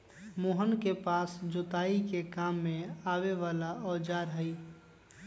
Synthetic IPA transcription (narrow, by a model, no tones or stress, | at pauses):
moɦənkepaːsd͡ʒoːt̪aːikekaːmːẽaːweʋaːlaɔːd͡ʒaːɾɦəi